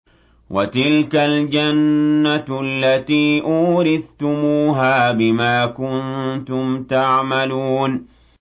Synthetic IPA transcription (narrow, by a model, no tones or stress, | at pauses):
wʔat̪ɪlkald͡ʒanːalːat̪iːʔuːɾɪθt̪ʊmuːɦaːbɪmaːkʊnt̪ʊmt̪aʕmaluːn